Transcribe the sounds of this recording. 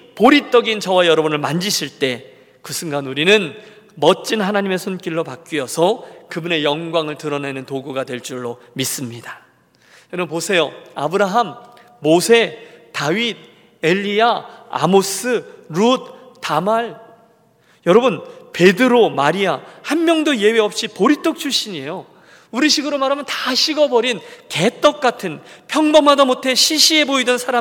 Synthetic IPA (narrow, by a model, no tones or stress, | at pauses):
poɾit͈ʌɡint͡ɕʌwajʌɾʌbunɯɭmand͡ʑiɕʰiɭt͈e̞ | kɯsʰɯŋɡanuɾinɯn | mʌt͡ɕ͈inɦanaɲime̞sʰunk͈iɭːopak͈̚iʌsʰʌkɯbune̞jʌŋɡwaŋɯɭtɯɾʌne̞nɯntoɡuɡadwe̞ɭt͡ɕ͈uɭːo | mis͈ɯmɲida | kɯɾʌnposʰe̞joabɯɾaɦamː | osʰe̞taɥid̚ | eʎːiaa̰mos͈ɯɾud̚tamaɭ | jʌɾʌbɯnpe̞dɯɾomaɾiahanmjʌŋdoje̞weʌp̚ɕ͈ipoɾit͈ok̚t͡ɕʰuɕ͈iɲie̞jo | uɾiɕʰiɡɯɾomaɾɦamjʌntaɕʰiɡʌbʌɾinke̞t͈ʌk̚k͈atʰɯnpʰjʌŋbʌmadʌmotʰe̞ɕʰiɕʰie̞boidɯnsʰaɾa